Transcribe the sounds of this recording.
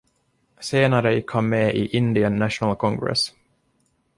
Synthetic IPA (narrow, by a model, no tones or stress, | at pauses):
seːnaɾəjɪkʰhamːeːʔɪʔɪnd̪ɪənːæʂʊnalkʰɔŋɡɾɛ̰s